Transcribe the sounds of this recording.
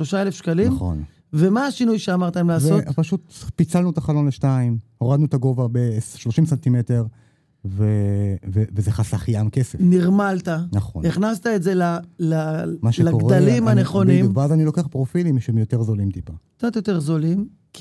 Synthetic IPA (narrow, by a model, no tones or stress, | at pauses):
ʃlo̞ʃaelefʃkalinmχo̞̰n | vemaːʃinujʃeamaʁt̪amlaːvseopaʃut̪pit͡salnuet̪aχalo̞nleʃtaimoʁad̪nut̪aɡo̞vabesʃlo̞ʃimsant̪imete̞ʁ | vevevezeχasaχjamkesefniʁmalt̪anaχo̰niχnast̪aetzelalamaʃelakoɡʁdalimhaneχo̞niveazanilo̞keaχpʁofilimiʃemjo̞t̪e̞ʁzolimt̪ipakkt͡sat̪jot̪eʁzolim | k